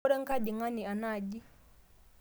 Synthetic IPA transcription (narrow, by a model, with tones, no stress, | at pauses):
ɾɛ˦ŋka˦di˨ŋa˦ni˨a˨na˦˨d͡ʒi˦